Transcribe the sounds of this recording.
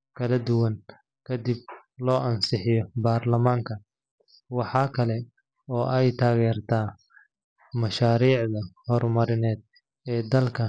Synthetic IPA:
kʰɐlɐd̪ʊwɐŋ | kʰɐd̪ib̚lɔːʔɐnsɪħɪjɔbaːrlɐmaːŋkʰɐ | wɑħɑːkʰɐlɛ | ɔːʔɛjt̪ʰaːɣɛːrt̪ʰaː | mɐʃaːɾiːʕðɐhɔrmɐɾɪnɛːd̪̚ | ɛːd̪ɐlkʰɐ

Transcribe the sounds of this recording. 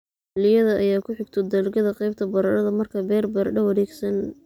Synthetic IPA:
lɪjɐðɐʔɐjaːkʰʊħɪɡt̪ʰɔd̪ɐlɡɐðɐqɑjb̚t̪ʰɐbɐɾɐɽɐðɐmɐrkʰɐbɛːrbɐɾɖɐwɐɾɛːɡsɐn

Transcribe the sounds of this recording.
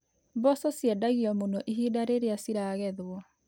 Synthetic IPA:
bɔsɔsjɛdaɣiɔmonɔʔiɦidaɾeɾeasiɾaːɣɛðwɔ

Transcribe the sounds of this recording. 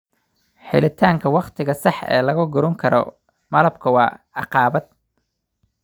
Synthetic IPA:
ħɪ̰lɪt̪ʰaːŋkʰɐwɑqt̪ʰɪɣɐsɑħɛ̰ːlɐɣɐɡʊɾɔŋkʰɐɾɔ̰ | mɐlɐbkʰɐwɑː | ɑqɑːbɐd̪̚

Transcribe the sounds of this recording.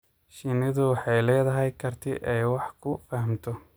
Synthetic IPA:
ʃɪnɪðʊwɑħɑjlɛːðɐɦɛjkʰɐrt̪ʰɪʔɛjwɑħkʰʊfɐɦmt̪ʰɔ

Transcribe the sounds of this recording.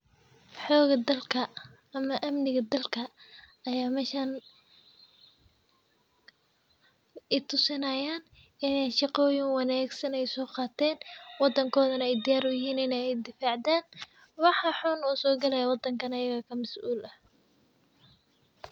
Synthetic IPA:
ħɔːɣɐd̪ɐlkʰɐ | ɐmɐʔɐmnɪɣɐd̪ɐlkʰɐ | ɐjaːmɛːʃɐn | ɪt̪ʰʊsɪnɐjaːn | ɪnɛjʃɑqɔːjɪŋwɑnaːɡsɐnɛjsɔːqɑːt̪ʰɛːnwɑd̪ɐŋkʰɔːðɐnɐɛjd̪ɪjaːɾʊjɪɦiːnɪnɛɛjd̪ɪfaːʕd̪aːn | wɑħɑħʊnuːsɔːɡɐlɛjɐwɑd̪ɐŋkʰɐnɐjɐɣɐkʰɐmɐsʔuːlʔɐ

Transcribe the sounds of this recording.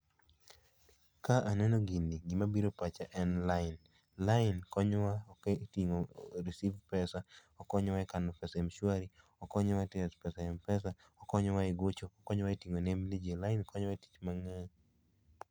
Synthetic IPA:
kaʔanɛnoɡiniɡimabiɾopat͡ʃaʔɛnlaɪn | laɪnkɔɲwaketiŋoɾisivpɛsaɔkɔɲɔwaɛkanɔpɛsaemʃwaɾi | ɔkɔɲɔwatiɛspɛsaɛmpɛsa | ɔkɔɲɔwaiɡot͡ʃoːkɔɲɔwaitiŋonemnid͡ʒelaɪnkɔɲwaeti̥t͡ʃmaŋa

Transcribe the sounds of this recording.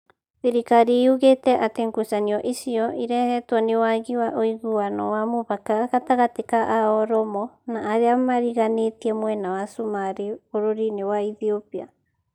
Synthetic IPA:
θiɾikaɾiuɣetɛʔateŋɡusaniɔʔisiɔʔiɾɛhɛtwɔnewaɣiwaʔoiɣuanɔ̰wamoβakaɣataɣatekaʔaɔɾɔmɔnaːɾeamaɾiɣanetiɛmwɛnawasumaɾioɾoɾinewaiθiopia̰

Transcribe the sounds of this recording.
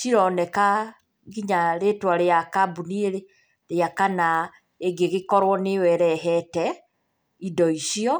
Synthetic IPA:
ʃiɾɔnɛka | ɡiɲaɾetwaɾeakabunieɾe | ɾeakana | eɡeɣekɔɾwɔnewɛɾɛɦɛtɛ | idɔiʃiɔ

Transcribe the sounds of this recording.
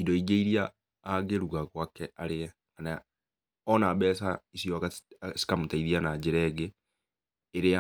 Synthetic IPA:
idoiɡeiɾia | aɡeɾuɡakwakɛaɾeɛ | ana | ɔnabɛsaisijoakasi̥kamutaiðianaɟɪɾɛːɡeː | ɾea

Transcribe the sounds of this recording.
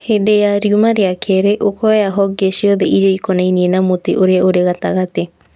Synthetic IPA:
hedejaɾiumaɾeakʰeɾeʔokʰoeaɦoɡeʃioðeʔiɾoikonajnienamot̪eʔoɾeoɾeɣat̪aɣat̪e

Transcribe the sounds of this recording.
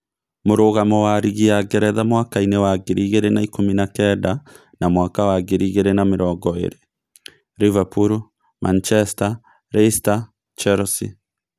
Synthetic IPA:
moɾoɣamɔwaɾiɣiaɡɛɾɛðamwakainewaɡeɾiɣeɾenaikominakɛda | namwakawaɡeɾiɣeɾenameɾɔːɡɔḛɾe | ɾivapuɾu | mʔant͡ʃɛsta | ɾɛsta | t͡ʃɛɾɔsi

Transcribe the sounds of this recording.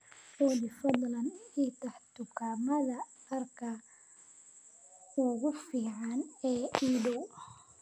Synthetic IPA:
ɔːd̪ɪfɐd̪lɐnit̪ʰɐħt̪ʊkʰaːmɐðɐ | ɐrkʰɐ | ʊɣʊfiːʕɑnɛːiːdɔw

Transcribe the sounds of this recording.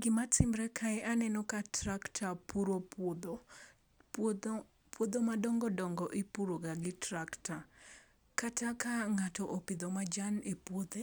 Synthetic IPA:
ɡɪmatɪmɾɛkʰaɛʔanɛnɔkatɾaktʰapuɾopd̪o | pwod̪omadɔŋɡɔdɔŋɡɔʔɪpuɾoɡaɡɪtɾakta | katakaŋatɔʔopɪd̪ɔmad͡ʒanepwod̪e

